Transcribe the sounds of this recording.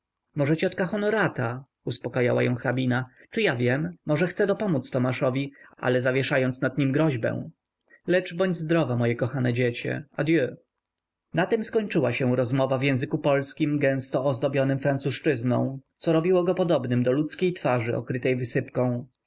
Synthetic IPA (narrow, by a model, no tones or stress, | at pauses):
mɔʐɛt͡ɕɔt̪kaxɔnɔɾat̪a | uspɔkaja̰wa̰jɔ̰̃w̃xɾabʲinat͡ʂɘjavʲjɛmːɔʐɛxt̪sɛd̪ɔpɔmut̪st̪ɔmaʂɔvʲia̰lɛzavʲjɛʂajɔnt̪snad̪̚ɲimɡɾɔʑbɛ̰̃w̃ | lɛt͡ʂbɔɲd͡ʑzd̪ɾɔvamɔjɛkɔxanɛd͡ʑet͡ɕɛ̰ad̪jø | nat̪ɛmskɔɲt͡ʂɘwaɕɛw̃ɾɔzmɔvavjɛ̃w̃zɘkupɔlskʲimɡɛ̃st̪ɔːzd̪ɔbʲjɔnɘmfɾansuʂt͡ʂɘznɔ̰̃w̃t̪sɔɾɔbʲiwɔɡɔpɔd̪ɔbnɘmd̪ɔlut̪skʲejt̪faʐɘɔ̰kɾɘt̪ɛjvɘsɘpkɔ̃w̃